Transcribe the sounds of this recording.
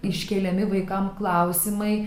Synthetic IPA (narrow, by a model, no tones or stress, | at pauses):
ɪʃʲkʲɛːlʲɛmʲɪʋɐɪkɐmklˠɑˑʊsʲɪmɐɪ